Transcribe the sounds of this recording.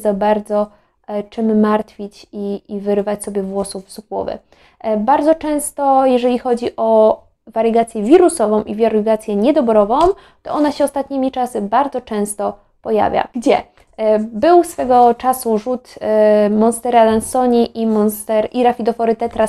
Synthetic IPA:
zabaɾd̪zɔ | t͡ʂɘmːaɾt̪fʲit͡ɕiivɘɾɘvat͡ɕsɔbʲjɛvwɔsuvsukwɔ̰vɘ̰ | baɾd̪ɔt͡ʂɛ̃w̃st̪ɔjɛʐɛlʲixɔd͡ʑiʔɔ | vaɾɛɡat̪sʲjɛvʲiɾusɔvɔ̃w̃ʔivʲaɾɡat̪sʲjɛɲɛd̪ɔbɾɔvɔ̃w̃m̃ | t̪ɔʔɔnaɕɛɔst̪at̪̚ɲimʲit͡ʂasɘbaɾd̪zɔt͡ʂɛ̃w̃st̪ɔ | pɔja̰vʲja̰ɡd͡ʑɛ | bɘwsfɛɡɔt͡ʂasuʐut̪mɔnst̪ɛɾalansɔɲiʔimɔnst̪ɛɾiɾafʲid̪ɔfɔɾɘt̪ɛt̪ɾa

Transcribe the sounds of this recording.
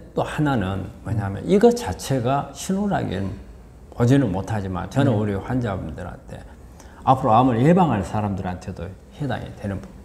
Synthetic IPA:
t͈ohananɯnmʌɲamjʌ̰nʔiɡʌt͡ɕat͡ɕʰe̞ɡaɕʰinoɾa̰ɡḛm | pod͡ʑinɯnmotʰad͡ʑima̰ɭt͡ɕʌnɯnuɾiɸwand͡ʑabumdɯɾa̰nt͈ʰe̞̰ | apʰɯɾoamuɾebaŋɦansʰaɾamdɯɾantʰe̞doheda̰ŋḛdwe̞nɯnbu

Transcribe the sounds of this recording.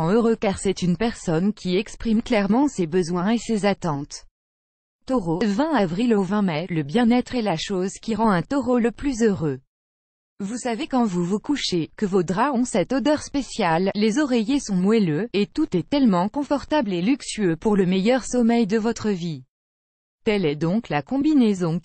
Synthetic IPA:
ɑ̃øʁøkaʁsɛt̪ynpɛʁsɔnkʲʰiɛkspχimklɛʁmɑ̃sebəzwɛ̃esezat̪ɑ̃t̪ | t̪ɔʁovɛ̃avʁilovɛ̃mɛləbjɛ̃nɛt̪χɛlaʃozkʲiʁɑ̃ɛ̃t̪ɔʁoləplyzøʁø | vusavekɑ̃vuvukuʃekəvod̪ʁaɔ̃sɛt̪od̪œʁspesjalːezɔʁejesɔ̃nwɛløet̪ut̪ɛt̪ɛlmɑ̃kɔ̃fɔʁt̪ablelyksyøpuʁləmɛjœʁsɔmɛjd̪əvɔt̪χəvi | t̪ɛlɛd̪ɔ̃klakɔ̃binezɔ̃

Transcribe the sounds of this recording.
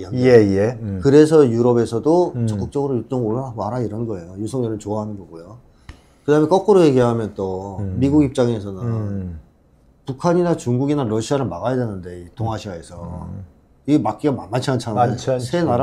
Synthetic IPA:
iaeekɯɾe̞sʰʌjuɾʌbe̞sʰʌdot͡ɕʌk͈ɯk̚t͡ɕ͈ʌɡɯɾojut͡ɕ͈ʌŋoɭːaɦaɡoaɾaiɾʌnɡʌe̞jojusʰʌŋɲʌnɯnt͡ɕoaɦanɯnɡʌɡojo | kɯdaɦɯmek͈ʌk͈ɯɾoje̞ɡiɦamjʌnt͈ʌmiɡuɡip̚t͡ɕ͈aŋe̞sʰʌnɯnn | pukʰaɲinat͡ɕuŋɡuɡinaɾʌɕʰiaɾɯɭmaɣajade̞nɯnde̞itoŋɦaɕʰiae̞sʰʌ | imak͈iɡamamat͡ɕʰiant͡ɕʰasʰenaɾa

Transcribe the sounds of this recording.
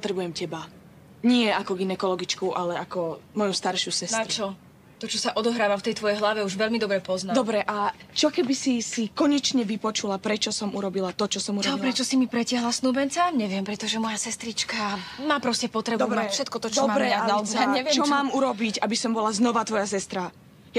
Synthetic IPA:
pɔt̪ɾɛbujɛmcɛba | ɲɪɛakɔɡinɛkɔlɔɡit͡ʃkuʔalɛakɔmɔjust̪aɾʃusɛstaɾt͡ʃɔ | t̪ɔt͡ʃɔsaʔɔd̪ɔɦɾaːʋaft̪ɛjt̪ʋɔjɛjɦlaʋɛuʒʋɛlmid̪ɔbɾɛpɔznad̪ɔbɾɛʔat͡ʃɔkɛbisisikɔɲɛt͡ʃɲɛʋipɔt͡ʃulapɾɛt͡ʃɔsɔmuɾɔbilat̪ɔt͡ʃɔsɔmuɾɔɔipɾɛt͡ʃɔsimipɾɛcɪaɦlasnuːbɛnt͡saɲɛʋɪɛmpɾɛt̪ɔʒɛmɔjasɛst̪ɾit͡ʃkamaːpɾɔscɛpɔt̪ɾɛbd̪ɔubɾmaɛfʃɛt̪̚kɔt̪ɔt͡ʃd̪ɔbɾɛat͡sɲɛɛt͡ʃɔmaːmuɾɔbiɟabisɔmbɔlaznɔʋat̪ʋɔjasɛst̪ɾa | ja

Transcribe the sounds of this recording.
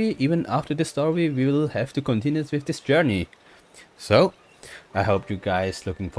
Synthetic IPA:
iʔiːvə̃naftəd̪ɪstɔɹwiwiwɪɪlˠhɛv̥tukɔ̃ntɪ̃njuswɪðdɪsd͡ʒɜɹni | soʊ | aɪɦoʊpʰjuɡaɪzlʊkɪ̃ŋf

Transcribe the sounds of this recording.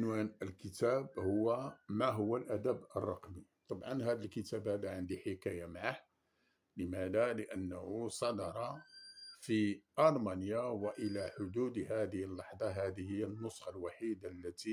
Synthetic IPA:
ənwænəlkət̪æbhʊwːæmæɦʊwːælʔæd̪æbə̰rˤːɑ̰qmit̪ˤɑbʕɑnɦæd̪əlkət̪æbhæd̪aʕənd̪iħekæjamaʕah | ləmæd̪aləʔənːəhusˤɑd̪ɑɾˤɑ | fiʔɑɾˤmænjawəʔəlæħʊd̪ud̪hæd̪əhəlːɑħd̪ˤɑɦæd̪əhəjːənːʊsˤxɑlwaħid̪alːæt̪i

